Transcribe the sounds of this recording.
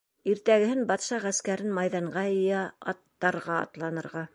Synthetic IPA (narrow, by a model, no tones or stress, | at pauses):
iɾt̪æɡɘ̆hɘnbɑt̪ʃɑʁæskæɾɘnmɑjðɑɴɢɑjɤ̆jæɑ̰t̪ːɑɾʁɑɑ̰t̪lˠɑnɤ̆ɾʁɑ